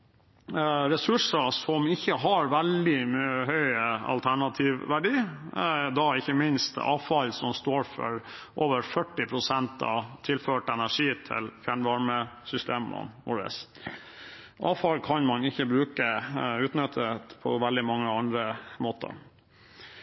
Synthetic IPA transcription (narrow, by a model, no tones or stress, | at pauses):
ɾɛsʉʂəsɔmɪçːəɦɑɾʋɛld̪ɪmyːəɦœʏəɑ̰lt̪ʰæɳɑt̪ʰiːʋʋæɖiː | d̪ɑɪçəmɪnst̪ɑ̰ːʋfɑlsɔmst̪oːɾfɔ̰ɾʔoːʋəɾfœʈːɪpʰɾʊsɛnt̪ɑ̰t̪ʰɪlføːʈɛnæʂiːt̪ʰɪ̰lfjæɳʋɑɾməsʏst̪eːmə̰ʋʊɾɛ̰s | ʔɑːʋfɑlkʰɑnmɑnɪçːəbɾʉːkəʉːt̪nœt̪ʰət̪pʰɔ̰ʋɛld̪ɪmɑŋːəɑnd̪ɾəmoːt̪ə̰